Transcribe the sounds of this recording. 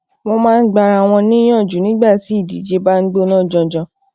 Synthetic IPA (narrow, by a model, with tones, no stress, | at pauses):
wɔ̃˧mãː˦˧n̩˦ɡ͡ba˧ɾa˧˨w̃ɔ̃˧nĩ˦j̃ɔ̃˦˨d͡ʒu˨˦nĩ˨˦ɡ͡ba˦˨ti˨˦i˦˨di˨˦d͡ʒe˧ba˦n̩˦ɡ͡bo˦nã˦˨d͡ʒɔ̃˧d͡ʒɔ̃˧